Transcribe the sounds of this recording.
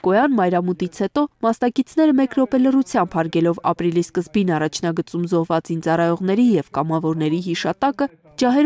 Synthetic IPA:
kɔjɑnmɑjɾɑmut̪it͡sʰhɛt̪ɔmɑsnɑkit͡sʰnɛɾəmɛkɾɔpɛlərut͡sʰjɑmbhɑɾɡɛlɔvɑ̰pɾiliskəzbinɑrɑt͡ʃʰnɑɡət͡sumzɔhvɑt͡szint͡sɑrɑjɔʁn̪ɛɾijɛvkɑmɑvɔɾnɛɾiɦiʃɑt̪ɑkə | d͡ʒɑɦɛɾ

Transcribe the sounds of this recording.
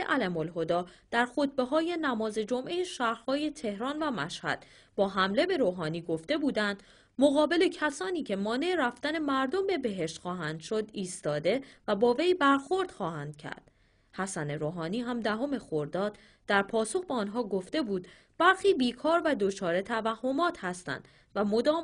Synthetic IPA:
eʔælæmolɦo̞d̪ɒːd̪̥æɾxo̞t̪̚be̞ɦɒːje̞næmɒːze̞d͡ʒo̞mʔe̞jeʃæːhɾhɒːje̞t̪ʰe̞hɾɒːnvæmæʃhæ̰d̪̥ | bɒːɦæmle̞be̞ɾoːɦɒːniːɡo̞ft̪e̞buːd̪ænd̪̥ | moɣɒːbe̞le̞cʰæsɒːniːcʰe̞mɒːne̞eɾæft̪æne̞mæɾd̪ombe̞be̞ɦe̞ʃt̪xɒːɦænd̪̥ʃo̞d̪iːst̪ɒːd̪e̞væbɒːve̞jbæɾxo̞ɾd̪̥xɒːhænd̪̥̚cʰæ̰ɾd̪̥ | hæsæne̞ɾoːɦɒːniːɦæmd̪æɦo̞me̞xoɾd̪ɒːd̪̥ | d̪̥æɾpʰɒːso̞χbeɒːnɦɒːɡo̞ft̪e̞buːd̪ | bæɾxiːbiːkʰɒːɾvæd̪o̞t͡ʃʰɒːɾe̞t̪ʰævæhːo̞mɒːt̪ʰhæst̪æ̰nd̪̥ | væmo̞d̪ɒː

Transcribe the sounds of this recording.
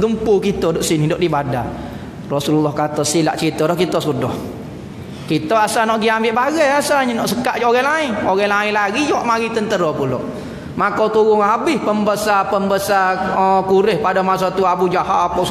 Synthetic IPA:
ɡəmpukit̪ɔdɔʔsinihdɔʔdibada̰ | rɔsululːɔhkat̪ɔsila̰ʔt͡ʃɾit̪ɔdɔhkit̪ɔsudɔh | kit̪ɔasanɔʔɡiambɪʔbaɡɛjasaɲənɔʔsəkaʔd͡ʒoɣɛlaɪnoɣɛlaɪnlaɡid͡ʒowaʔmaɡit̪ənt̪əɾɔpulɔ̰ʔ | makot̪uɡʊŋɦabɪhpəmbəsapəmbəsaəkuɾɪhpadomasot̪uabud͡ʒahaapoʔs

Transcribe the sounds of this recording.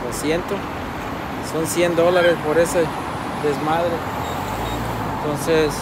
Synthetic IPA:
osjent̪o | so̞nsjend̪o̞laɾespoɾese | ðezmaðɾe | ent̪o̞nses

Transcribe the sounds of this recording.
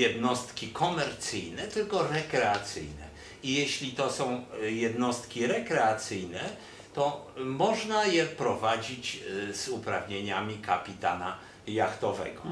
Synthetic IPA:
jɛd̪nɔst̪kʲikʰɔmɛɾt̪sɘjnɛt̪ɘlkɔɾɛkɾɛat̪sɘ̰jnɛ | ijeɕlʲit̪ɔsɔ̃w̃jɛd̪nɔst̪kʲiɾɛkɾɛat̪sɘjnɛ | t̪ɔmɔʐnajɛpɾɔvad͡ʑit͡ɕzupɾavɲeɲamʲikapʲit̪ana | jaxt̪ɔvɛ̰ɡɔ

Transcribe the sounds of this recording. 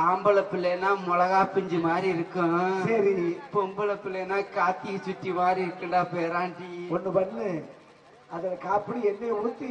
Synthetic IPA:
aːmbɐlɐpːɪlɐːnːaːmʊlɐɣaːpɪɲd͡ʒɯmaːd̪ɾiɪɾɯkːɯ̃sɐɾipɔmbɐlɐpːɪlɛnːaːkaːt̪ːɪjɐsʊʈːimaːd̪ɾiɪɾɯkːɐɳɖaːpeːɾaːɳʈiɔnːɯpɐnːlɯ | ɐðɐlɐkaːpɪɽiɛnːeɔɽɯt̪ːɯ

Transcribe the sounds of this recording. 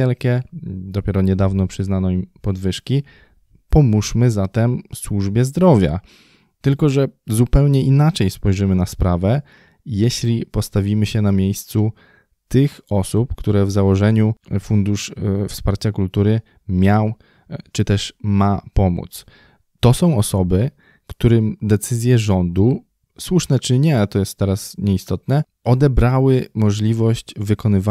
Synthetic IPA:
ɛlkʲɛd̪ɔpʲjɛɾɔɲɛd̪avnɔpʂɘznanɔimpɔd̪vɘʂkʲi | pɔmuʂmɘzat̪ɛmswuʐbʲjɛzd̪ɾɔvʲja̰ | t̪ɘlkɔʐɛzupɛwɲɛʔinat͡ʂɛjspɔjʐɘmɘnaspɾavɛ | jeɕlʲipɔst̪avʲimɘɕɛnamʲjejst̪su | t̪ɘxɔsupkt̪uɾɛvzawɔʐɛɲufund̪uʂfspaɾt͡ɕakult̪uɾɘ | mʲjaw | t͡ʂɘt̪ɛʂmapɔmṵt̪s | t̪ɔsɔ̃w̃ɔsɔbɘ | kt̪uɾɘmd̪ɛt̪sɘzʲjɛʐɔnd̪u | swuʂnɛt͡ʂɘɲɛt̪ɔjɛst̪ːɛɾasɲɛist̪ɔt̪nɛ | ʔɔd̪ɛbɾawɘmɔʐlʲivɔɕt͡ɕvɘkɔnɘva

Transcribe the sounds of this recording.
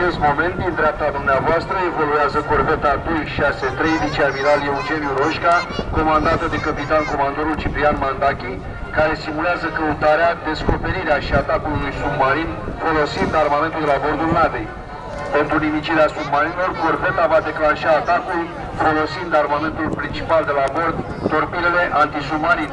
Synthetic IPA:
at͡ʃest̪mo̞me̞nt̪̚d̪ind̪ɾeap̚t̪ad̪umneavoast̪ɾəe̞volueazəkorvet̪ad̪ojʃaset̪ɾe̞jvit͡ʃiamiɾaleud͡ʒe̞njuɾo̞ʃkako̞mand̪at̪əd̪e̞kəpit̪anko̞mand̪oɾult͡ʃipɾianmand̪akʲi | kaɾe̞simuleazəkəut̪aɾead̪e̞sko̞pe̞ɾiɾeaʃiat̪akulːujsubmaɾinfo̞lo̞sind̪armame̞nt̪uld̪elabo̞rd̪ulnad̪ej | pe̞nt̪ɾunimit͡ʃiɾeasubmaɾinelo̞rkorfet̪avad̪e̞klanʃaːt̪akul | fo̞lo̞sind̪armame̞nt̪ulpɾint͡ʃipald̪e̞labo̞rd̪ːo̞rpiɾele̞ʔant̪isumaɾin

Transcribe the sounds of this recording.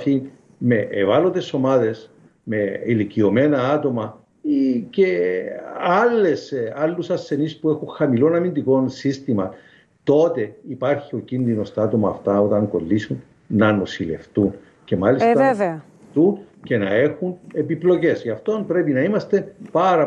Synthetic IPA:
in | me̞ʔevalot̪e̞so̞maðe̞s | me̞ilicio̞me̞nɐɐt̪o̞mɐ | ce̞ | alːe̞salːusɐsːe̞nispue̞xuŋxɐmilo̞nɐmind̪iko̞nsist̪imɐ | t̪o̞t̪e̞ipɐɾçio̞cinðino̞st̪ɐɐt̪o̞mɐːft̪ɐo̞t̪ɐŋɡo̞lːisun | nɐnosile̞̰ft̪un | ce̞malist̪ɐ | t̪unce̞nɐexune̞piplo̞ce̞sʝɐft̪o̞npɾe̞pinɐimɐst̪e̞pɐɾɐ

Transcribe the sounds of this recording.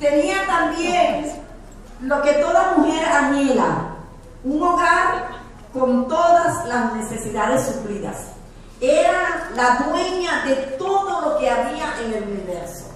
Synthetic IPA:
t̪e̞niat̪ambjeŋ | lo̞ke̞t̪o̞ðamuxe̞ɾaɲela̰ | uŋo̞ɣaɾ | ko̞nt̪o̞ðaslasne̞se̞siðaðesːufliða̰s | eɾalaðwe̞ɲaðe̞t̪o̞ðo̞lo̞ke̞aβiaʔe̞ŋe̞luniβe̞ɾso̰

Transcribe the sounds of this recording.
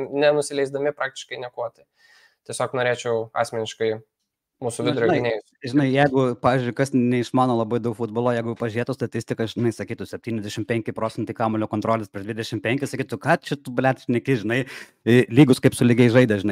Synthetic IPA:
nʲɛnʊsʲɪlʲɛɪzd̪ɐmʲɪpɾɑːk̚t̪ʲɪ̥ʃkɐɪnʲɛkoɔt̪ʲɐ | t̪ʲɛsʲoːknoːɾʲeːt͡ʃʲɛʊɑ̰ːsʲmʲɛnʲɪʃkɐɪ | muːsʊʋʲɪd̪ɾonɐɪɪnʲeː | ʒʲɪnɐɪjɛɪɡʊpɑːʋʲɪːzʲd͡ʒʲʊɪkɐsnʲɛɪʃmɑːnoːlˠɐbɐɪd̪ɐʊkfud̪boːlˠoːjɛɪɡʊpɐʒʲɪɾeːt̪ost̪ɐt̪ʲɪsʲt̪ʲɪkɐʒʲɪnɐɪsɐkʲiːt̪ʊsʲɛpʲt̪ʲiːnʲɛzʲd̪ʲæʃʲɪmpʲɛŋʲkʲɪpɾoːt͡sʲsʲɛnt̪ʲɪkɑːmoːlʲoːkont̪ɾoːlʲɪspɾʲiːʒd̪ʲʋʲɪd̪ʲɛʃʲɪmpʲɛŋʲkʲɪsɐkʲiːt̪ʊkɑːt͡ʃʲɛt̪ubɐlʲæːt̪ʃʲnʲɛkʲɪʒʲɪnɐɪ | lʲiːɡʊskɐɪpsʊlʲɪɡʲɛɪʒɐɪd̪ɐʒʲɪnɐɪ

